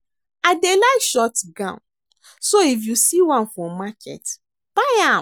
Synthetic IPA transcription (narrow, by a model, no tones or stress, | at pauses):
adelaɪkʃɔtɡã̰n | soifjusiwãnfɹɔ̃mːakʰɛ̰t | b̥aja